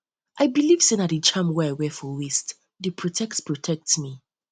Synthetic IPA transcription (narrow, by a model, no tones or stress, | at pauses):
ʔaɪbilivsĩnaɾit͡ʃãmwɛaɪwɛfɔwist | dəpʰɹɔtʰɛk̚tspɹɔtʰɛk̚tmi